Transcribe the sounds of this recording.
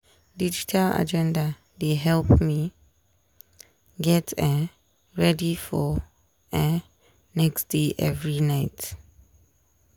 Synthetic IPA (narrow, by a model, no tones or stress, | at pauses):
did͡ʒitʰala̰d͡ʒɛ̃nda | deɦɛlpmi | ɡɛtʰɛ | ɹɛdifɔ | ɛ | nɛksdeʔɛvɹinaɪt